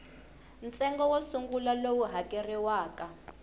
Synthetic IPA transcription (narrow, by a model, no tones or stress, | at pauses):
n̩t͡sʼɛŋɡɔwosuŋɡulalowuɦakʼɛriwaːka